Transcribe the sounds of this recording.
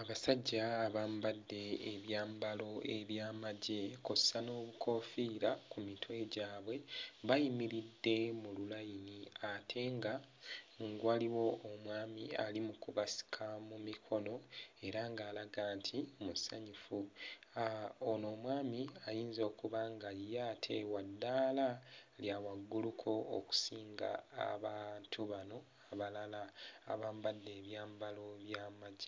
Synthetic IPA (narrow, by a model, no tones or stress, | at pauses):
aβasaɟːaːβaːmbadːe̞ːβjaːmbalo̞e̞βjaːmaɟe̞kossano̞ːβuko̞fiːɾakumitʰwe̞ɟaːβwe̞βajimiɾidːe̞mululajiniatʰe̞ŋɡa | ŋɡwaːliwo̞omwaːmialimukuβasi̥kʰamumikʰo̞no̞e̞ɾaŋɡaːlaɡaːntʰiomusa̰ɲufuaono̞ːmwaːmiajiːnzo̞ːkuβaŋɡajatʰe̞wadːaːlaljawaɡːulukʰo̞oku̥siːŋɡa̰ːβantʰuβano̞ | aβalala̰ːβaːmbadːe̞ːβjaːmbalo̞βjamaɟːa